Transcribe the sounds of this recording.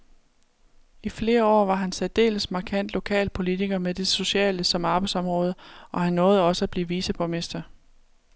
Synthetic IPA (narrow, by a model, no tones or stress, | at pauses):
ifle̝ːɐɒ̰ːʋɑ̈ɦænsɛd̥e̝̰ːləsmɑ̈kʰæn̰d̥lo̝kʰɛ̰ːlpʰo̝lit͡sʰiɡ̥ɐmed̥e̝so̝ɕɛ̰ːləsɒ̽mɑ̈b̥ɑ̈ɪdsɒ̽mʁɔ̽ːð̞ˠəɒ̽hænːɔ̽ːð̞̩ˠɒ̽səæb̥liːʋisəpʰɒme̝sd̥ɐ